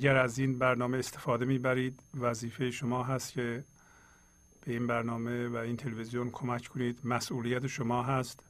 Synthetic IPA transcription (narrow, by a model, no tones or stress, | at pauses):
ʔɟæɾæziːnbæɾnɒːmeːst̪efɒːd̪e̞miːbæɾiːd̪væziːfe̞jeʃomɒːɦæst̪cʰe | b̥e̞iːnbæɾnɒːmevæiːnt̪ʰelevezijonkʰomæcʰkʰoniːd̪mæsʔuːlijæt̪ʰeʃomɒːɦæst̪